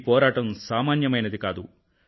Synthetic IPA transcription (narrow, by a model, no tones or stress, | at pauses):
pɔːɾaːʈɐmsaːmaːnjɐmɐjnɐd̪ikaːd̪u